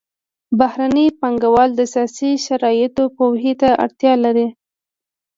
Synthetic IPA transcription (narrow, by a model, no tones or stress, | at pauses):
bahɾanəjpaŋɡawɑld̪əsjɑsiʃaɾɑjɪt̪opowɦit̪aʔa̰ɽt̪jɑlaɾi